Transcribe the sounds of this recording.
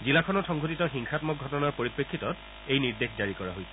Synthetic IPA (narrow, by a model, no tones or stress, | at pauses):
zilakʰɔnɔtxɔŋɡot̬itɔxiŋxatmɔk̚ɡʱɔtɔnaɹpoɹipɹekʰːitɔt | ejniɹdexd͡ʒaɹikɔɹa̰ɦojsɛ̥